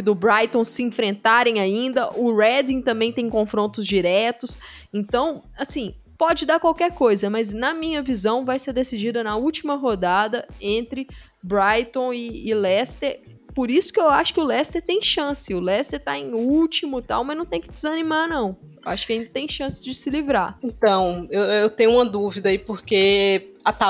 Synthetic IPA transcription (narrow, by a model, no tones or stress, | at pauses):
kɪd̪ʊbɾajt̪õsɪĩfɾẽnt̪aɾẽj̃aĩnd̪ɐʔʊɾɛd̪ĩt̪ɐ̃mbẽj̃t̪ẽj̃kõfɾõnt̪ʊzd͡ʒiɾɛt̪ʊs | ẽnt̪ɐ̃w̃ | asĩ | pɔd͡ʒɪd̪aɾkwawkɛɾkojzɐmɐznɐmĩɲɐvizɐ̃w̃vajseɾd̪esid͡ʒid̪ɐnɐuwt͡ʃimɐɦod̪ad̪ɐẽnt̪ɾɪ | bɾajt̪õw̃ɪːlɛst̪eɾ | poɾisʊ̥kɪewaʃʊ̥kɪʊlɛst̪eɾt̪ẽj̃ʃɐ̃sɪʊlɛst̪eɾt̪aẽj̃uwt͡ʃimʊt̪a̰wmɐznɐ̃w̃t̪ẽj̃kɪd͡ʒɪzɐnimanɐ̃w̃ | wa̰ʃʊ̥kɪaĩnd̪ɐt̪ẽj̃ʃɐ̃sɪ̥zd͡ʒɪsɪlivɾaẽt̪ɐ̃w̃ewewt̪ẽjɲʊũmɐd̪uvid̪ɐaipoɾkeat̪a